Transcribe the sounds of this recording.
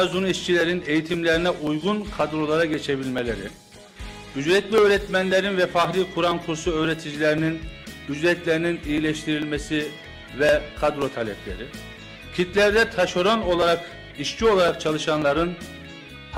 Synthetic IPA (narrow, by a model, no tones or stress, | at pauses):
zuniʃcʰilʲeɾine̞jit̪ʰimlʲeɾinɛʔujɡunkʰad̪ɾo̞lˠaɾaɟet͡ʃʰe̞bilʲmelʲeɾi | yd͡ʒɾɛt̪lʲiøːɾɛt̪mænlʲeɾinvɛfaxɾikʰuɾankʰuɾsuø̞ːɾet̪ʰid͡ʒilʲeɾininyd͡ʒɾɛt̪lʲeɾininijilʲɛʃt̪ʰiɾilʲmesi | vɛkʰad̪ɾo̞t̪ʰalʲɛpʰlʲḛɾi | cʰit̪lʲæɾd̪ɛt̪ʰaʃo̞ɾono̞lˠaɾak | iʃcʰio̞lˠaɾakt͡ʃʰalˠɯʃanlˠaɾɯn